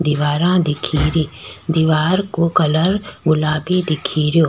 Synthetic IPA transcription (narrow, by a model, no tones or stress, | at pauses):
d̪iʋaːɾãd̪ɪkʰiːɾiːd̪iʋaːɾkokɐləɾɡʊlaːbid̪ɪkʰiɾijoː